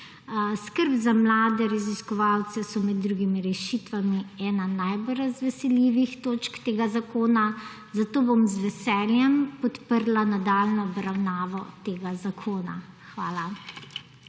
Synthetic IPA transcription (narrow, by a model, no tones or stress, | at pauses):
skəɾbzamlaːd̪ɛɾaziskɔʋaːwt̪sɛsɔmɛd̪̚ːɾuɡimiɾɛʃiːt̪ʋamiɛːnanajbɔlɾazʋɛsɛljiːʋixt̪oːt͡ʃkt̪eːɡazakoːna | zat̪oːbomzʋɛsɛːljɛmpɔt̪pəɾlanad̪aːlnɔɔbɾawnaːʋɔt̪eːɡazakʰoːna̰ | xʋaːla